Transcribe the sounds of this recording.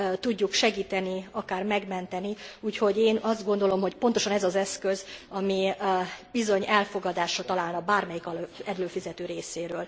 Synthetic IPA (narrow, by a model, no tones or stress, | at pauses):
t̪uɟːukʃɛɡiːt̪ɛniɒkaːrmɛɡmɛnt̪ɛniuːcho̞ɟeːnɒzd̪̚ɡo̞nd̪o̞lo̞mɦo̞cpo̞nt̪o̞ʃɒnɛzɒzɛskø̞zɒmi | b̥izo̞ɲɛlfo̞ɡɒd̪aːʃɒt̪ɒlaːlnɒbaːrmɛjikɒlɛlløːfizɛt̪øːɾeːseːɾøːl